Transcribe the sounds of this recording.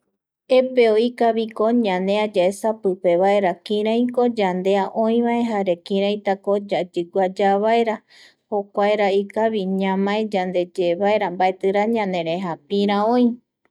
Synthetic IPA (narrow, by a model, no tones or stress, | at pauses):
epeoikaβikoɲãnẽ̞ad͡ʒaesapɨpe̞βae̞ɾakĩɾãj̃ko̞d͡ʒand̪e̞aʔõĩβae̞ɦaɾe̞kĩɾ̃ãj̃t̪ako̞d͡ʒad͡ʒɨɡʷad͡ʒaβaeɾa | ho̞kʷaeɾaikaβiɲãmãed͡ʒand̪e̞d͡ʒeβaeɾambaet̪ɨɾaɲãnẽɾe̞ɦapĩɾ̃ãõĩ